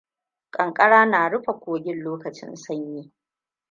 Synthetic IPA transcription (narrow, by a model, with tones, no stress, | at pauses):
kʼɐ˨ŋkʼɐ˦ɽaː˦naː˨ɽʊ˦ɸa˨kʷoː˨ɡʲɪ˦nloː˦kɐ˨t͡ʃɪ̰˦nsɐ˦ɲjiː˦